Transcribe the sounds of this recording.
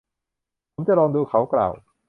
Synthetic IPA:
pʰo˨˦mt͡ɕa˨ʔɾɔː˧ŋduː˧kʰa˦˥wkla̰ː˨˩w

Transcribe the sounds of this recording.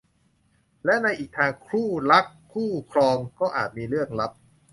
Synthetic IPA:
lɛ˦˥na˧jʔiː˨˩k̚t̪ʰaː˧ŋkʰɾuː˥˩la˦˥kʰːuː˥˩kʰɾɔː˧ŋkɔː˥˩ʔaː˨˩t̪̚miː˧ɾɯ˥˩ək̚la˦˥p̚

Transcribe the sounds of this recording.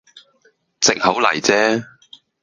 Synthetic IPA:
t͡sɪ˨k̚ho˨˥wlɐ̰˨˩jt͡sɛː˦˥

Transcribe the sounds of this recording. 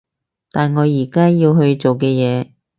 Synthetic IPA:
t̪aː˨nŋɔː˨˧jiː˨˩kaː˥jiː˧wɦɵ˧ɥt͡so˨wkɛː˧jɛː˨˧

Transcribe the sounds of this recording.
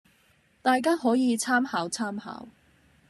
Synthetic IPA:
t̪aː˨jkaː˥ɦɔː˨˥jiː˨˧t͡sʰaː˥mhaː˨˧wt͡sʰaː˥mha̰ː˨˧˥w

